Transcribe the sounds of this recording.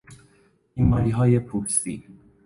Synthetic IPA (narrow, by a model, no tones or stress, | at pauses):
imɑːɾiɦɒːjepʰuɾsiː